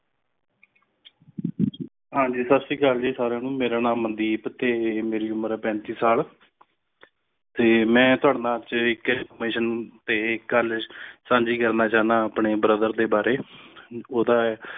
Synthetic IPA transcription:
ɦãːɲd͡ʒiːsəbsiːkəld͡ʒiːsaːɾeːnũːmeːɾaːnãːmənd̪iːpət̪eːmeːɾiːʊməɾɛːpɛ̃ːnt̪iːsaːl | t̪eːmɛ̃ːt̪ʊaːɽnaːt͡ʃɪkfəmeːʃənt̪eːkːəlsãːnd͡ʒiːkəɾnaːt͡ʃaːnãːpɳeːbɾəd̪əɾd̪eːbaːɾeː | oːd̪aː

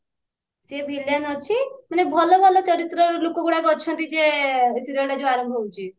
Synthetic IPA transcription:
sepʰiljanɔt͡ʃʰimanebʱɔlɔbʱɔlɔt͡ʃɔɾit̪ɾɔlokoɡuɽakɔt͡ʃʰɔnt̪id͡ʒesiɾɔɽad͡ʒoaɾɔmbʱɦowt͡ʃʰi

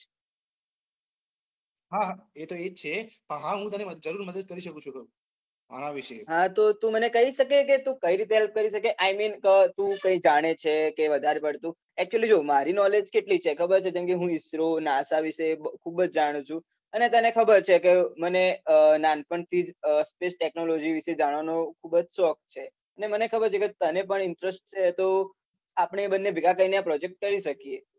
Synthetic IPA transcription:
ɦaɦaet̪oek̚t͡ʃʰepəɳɦãɦũt̪aɾiməd͡ʒəɾuɾməd̪əd̪̚kəɾiʃəkũt͡ʃʰukə | a̰ɾãʋiʃeɦãt̪ot̪ũmənekəɦiʃəkeket̪ũkəiɾit̪eɦɛlp̚kəɾiʃəkeʔajminkət̪ũkə̃ĩd͡ʒaɽ̃et͡ʃʰekeʋəd̪ʱaɾepəɽt̪ũ | ɛk̚t͡ʃuəlid͡ʒomaɾinɔled͡ʒkeʈlit͡ʃʰekʰəbəɾt͡ʃʰed͡ʒɛmkeɦũɪsɾonasaʋiʃebkʰubəd͡ʒd͡ʒaɽ̃ũt͡ʃʰũ | ənet̪ənekʰəbəɾt͡ʃʰekemənenanpəɳt̪ʰid͡ʒəspeʃʈeknolod͡ʒiʋiʃed͡ʒaɽ̃ʋanokʰubd͡ʒsɔk̚t͡ʃʰe | ənemənekʰəbəɾt͡ʃʰeket̪ənep̬əɳɪɳʈɾəsʈ̚t͡ʃʰet̪o | apɳ̃ebənːebʱiɡakə̃inəapɾɔd͡ʒek̚ʈ̚kəɾiʃəkie

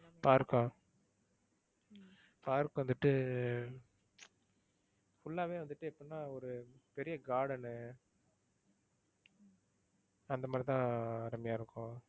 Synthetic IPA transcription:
paːɾɯkːãː | paːɾɯkːʊ̃ʋɐnd̪ɯʈːɯ | fʊɭːaːʋẽːʋɐnd̪ɯʈːɯɛpːoːnːaːɔɾɯpɛɾɪjɐɡaːɽɐnɯ | ɐnd̪ɐmaːd̪ɾit̪ãːɾɐmɐjaːɪɾɯkːʊ̃

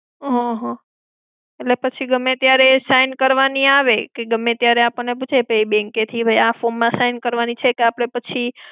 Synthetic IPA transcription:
ɦɔ̃ɦɔ̃ | etlepət͡ʃʰiɡəmẽt̪jaɾesajnkəɾʋaniaʋekeɡəmẽt̪jaɾeapəɳnep̬ut͡ʃʰepejbeŋket̪ʰibʱəjafonmãʃajnkəɾʋanit͡ʃʰekeapəɽ̃epət͡ʃʰi

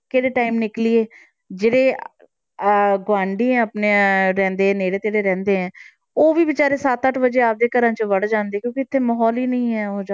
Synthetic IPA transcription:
keːɽeːʈaːimnɪklieː | d͡ʒeːɽeː | ɡʋãːɳɖiːɛ̃ːəpneɾɛ̃ːnd̪eːɛ̃neːɽeːt̪eːɽeːɾɛ̃ːnd̪eːɛ̃ː | oːʋiːbɪt͡ʃaːɾeːsaːt̪əʈʰbəd͡ʒeːaːp̚d̪eːkəɾãːt͡ʃəʋəɽd͡ʒãːnd̪eːkjõːkɪɪt̪ʰːeːməɦɔːliːnəĩːɛːoːd͡ʒa

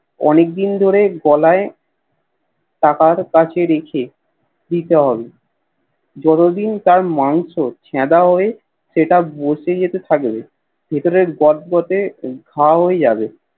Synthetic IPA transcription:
ɔ̰nek̚d̪ind̪ʱoɾeɡɔlae | ʈakaɾkat͡ɕʰeɾekʰe | d̪it̪eɦɔbe | d͡ʑɔt̪od̪int̪aɾmaŋʃot͡ɕʰɛd̪aɦoe | ʃeʈaboʃed͡ʑet̪et̪ʰakbe | bʱet̪oɾeɾɡɔt̪̚ɡɔt̪eɡʱaɦoed͡ʑabe

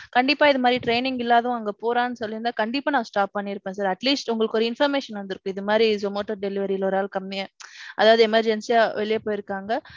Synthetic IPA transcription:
kɐɳɖɪpːaːɪðɯmaːd̪ɾiʈɾeɪnɪŋɡɪlːaːðɐʊ̃ɐŋɡɐpoːɾãːnːɯsɔlːɪɾɯnd̪aːkɐɳɖɪpːaːnãːsʈaːp̚ːɐɳːiɪɾɯpːẽːsaːɾɐʈliːsʈʊŋɡɐɭɯkːɔɾɐɪnfɐɾmeːʂɐnʋɐnd̪ɪɾɯkːʊ̃ɪðɯmaːd̪ɾisomoːʈːɐɾɖɛlɪʋɐɾiɪlɔɾaːlkɐmːɪjɐ̃ʔɐðaːʋɐðɯɛmɐɾd͡ʒɛnsijaːʋɛɭɪjɐpoːjɪɾɯkːaːŋɡɐ

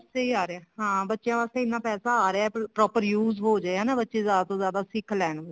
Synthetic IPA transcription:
seːiːaːɾeɛːɦãːbətːʃjãːʋaːst̪eːɪnːãːpɛːsaːaːɾeaːɛpɾɔːpəɾjuːzɦoːd͡ʒaːeɛːnãːbətːʃeːzjaːd̪aːt̪õːzjaːd̪aːsɪkʰlɛːɳ

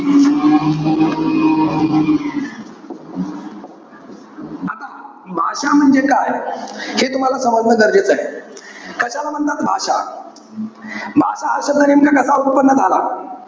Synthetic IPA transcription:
at̪a | bʱaɕam̤əɳd͡zekajhet̪um̤alasəməd̪nəd̪əɾd͡ʑet͡saɦe | kəɕalam̤əɳt̪at̪bʱaʂa | bʱa̰ɕaaɕəd̪ənemkakəsaut̪̚pənːəd͡z̪ʱala̰

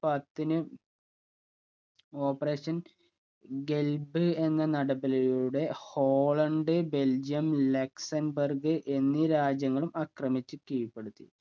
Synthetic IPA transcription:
pɐt̪ːinɨ | o̞ːpːɐre̞ːɕɐn | ɡe̞lbɨe̞nːɐnɐɽɐbɐlɐjuɽe̞ho̞ːɭɐɳɖɨbe̞ld͡ʑijɐmlɐksɐnbɐrɡɨʔe̞nːiɾaːd͡ʑjɐŋːɐɭumɐkrɐmit͡ɕːɨkijɐpːe̞ɽut̪ːḭ

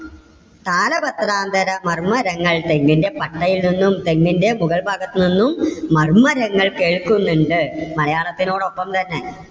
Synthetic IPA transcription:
t̪aːlɐbɐt̪raːnd̪ʱɐɾɐmɐrmɐɾɐŋːɐɭt̪eŋɡinde̞pɐʈːɐjilninːumt̪e̞ŋɡinde̞muɣɐɭbʱaːɡɐt̪ːɨninːumːɐrmɐɾɐŋːɐɭkeːɭkunːuɳɖɨmɐlɐjaːɭɐt̪ːino̞ːɽo̞pːɐmt̪ɐnːe

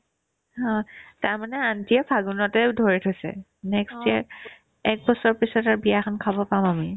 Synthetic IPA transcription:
hɔ̃taɹmanɛantiɛpʰaɡunɔtɛdʱoɹitʰojsɛ̰ | nɛkstiaɹ | ɛk̚bɔsɔɹpisɔtaɹbijaxʰɔnkʰabɔpamami

